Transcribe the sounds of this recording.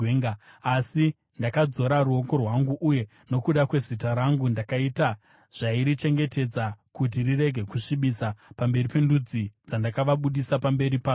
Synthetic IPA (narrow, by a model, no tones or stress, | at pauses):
eŋɡaasi | ndakad͡zo̞ɾaruo̞ko̞rwaŋɡuʔːje̞ | no̞kuɗakwe̞zitaɾaŋɡundakaita | ʐ̥aiɾit͡ʃe̞ŋɡe̞te̞d͡zakut̬irire̞ɡʱe̞kuʂiɓisapambe̞ripe̞ndud͡zid͡zandakaʋaɓuɗisapambe̞ɾipaː